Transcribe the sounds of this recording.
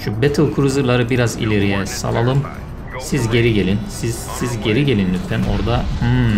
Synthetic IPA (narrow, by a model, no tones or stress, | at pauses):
ʃubɛt̪ʰɯlˠkʰuɾuzɯlˠaɾɯbiɾazḭlʲeɾijɛsa̰lˠalˠɯm | sizɟe̞ɾiɟelʲinsiz | sizɟe̞ɾiɟe̞lʲinːyt̪fɛmo̞̰ɾd̪ahɯ